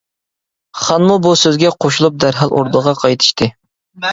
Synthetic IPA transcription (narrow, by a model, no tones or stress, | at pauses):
χɑnmubusøzɡʲɛqʰoʃulˠup̚d̪æɾɦɑlˠʔo̰ɾd̪əʁɑqʰɑjt̪ʰɨ̥ʃt̪ʰɨ